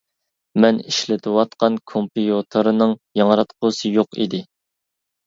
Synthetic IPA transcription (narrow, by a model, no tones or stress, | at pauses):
mɛniʃlɪt̪ʰɨwɑt̪qɑnkʰompijot̪ʰoɾɨnɨŋjɑŋɾɑt̪qʰosɨjoqḭd̪ɪ